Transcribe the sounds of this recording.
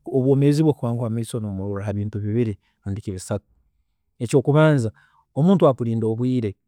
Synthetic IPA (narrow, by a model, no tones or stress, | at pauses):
oβwo̞ːmeziβwekuβaːŋɡwamaisonomuɾuɾahaβiːntuβiβiɾi | nundikiβisatu̥ | e̞co̞ːkuβaːnza | o̞muːntuakuɾiːndo̞ːβwiːɾe